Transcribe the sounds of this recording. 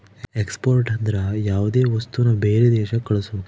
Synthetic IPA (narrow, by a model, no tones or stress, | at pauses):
ekspoːɾʈɐnd̪ɾɐjaːʋud̪eːʋɐst̪unːɐbeːɾed̪ɛːʃɐkɐɭusu